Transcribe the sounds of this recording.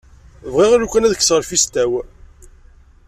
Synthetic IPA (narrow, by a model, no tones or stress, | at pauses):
vʁiʁaɾukʷːænæðəkːsʁəɾfist̪æw